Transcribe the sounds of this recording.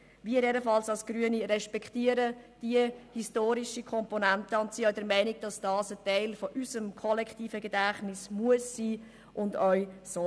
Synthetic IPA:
viəɾɛdəfɑlsɑlsɡ̥ɾyəniɾɛʃpɛkχtiəɾəd̥iəhistoːɾiʃikʰɔmpɔnæntəʊntsiœɥdɛɾmɛɪniɡ̥̚d̥ɑsd̥ɑːsətɛɪlfɔʔysəmkʰɔlɛkχtiːfəɡɛdæχnɪsmuəsːiː | ʔʊndœʏso

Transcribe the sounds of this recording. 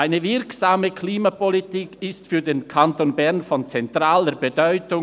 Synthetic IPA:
ʔaɪnəvɪɾksaːməkʰliːmapɔlitiːkɪstfyːdeːnkʰantoːnbɛʁnfɔnt͡sɛntʁaːləɾbədɔʏtʊ

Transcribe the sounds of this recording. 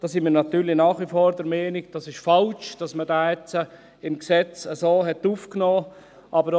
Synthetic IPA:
d̥ɑːsɪnmiːɾnɑt̪yːɾlɪnaːχifoːɾdəɾmɛːnɪɡ̚d̥ɑsɪʃfɑlt͡ʃd̥ɑsmədaːɛt͡sə | ɪmksɛt͡səsoːɦɛtuːfknoː | ʔɑbəɾ

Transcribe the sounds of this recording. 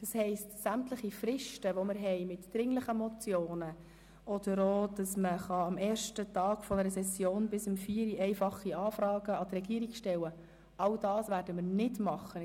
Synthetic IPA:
d̥ɑshɛɪstsæmtləχifɾɪʃtəʋomɪɾɦɛjmɪtd̥ɾɪŋləχəmɔt͡sjoːnə | ʔɔd̥̪əɾoːd̥ɑsməχɑɑmɛːɾʃtətɑːɡfɔnəɾəsɛsːjoːnbɪsəmfiːəɾiʔɛɪfɑχːiɑːfɾɑːɡəɑt̪rɾɛɡ̥iəɾikʃtɛwə | ɑld̥ɑːsʋæːɾdəmɪrnɪdmɑχːə

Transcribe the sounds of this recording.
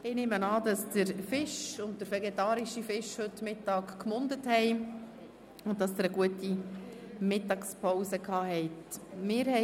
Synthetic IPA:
ɪneːmənɑːdɑsd̥əɾfɪʃʊnt̚d̥əɾfɛɡetɑːɾiʃifɪʃhɵtmɪtːɑːkkmʊndəthɛɪ | ʊnt̚dɑsdəɾəɡuəti | mɪtɑːkspʰɔwsəkʰɑːhɛɪtmɪːɾhɛ

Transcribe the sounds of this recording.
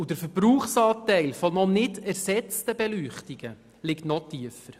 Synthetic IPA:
udəɾfəɾbɾuːχsɑːtɛɪlfɔnɔnɪdæɾsɛt͡stəbɛlyːχtiɡ̥ə | lɪktnɔtiəfəɾ

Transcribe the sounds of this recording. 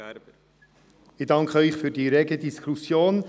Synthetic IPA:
ɪdɑŋkχəœʏχfyːɾdiːɾɛɡədiskusjoːn

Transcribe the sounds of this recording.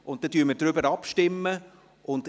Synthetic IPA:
ʊnt̚d̥ɛtyːməɾd̥ɾʏbəɾɑpʃtɪmːə | ʔʊnd

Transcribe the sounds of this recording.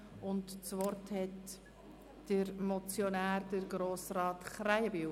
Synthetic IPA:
ʊntt͡svɔrthɛt | d̥əɾmɔt͡sjonæːɾdəɾɡɾoːsrɑːtχɾajəbi

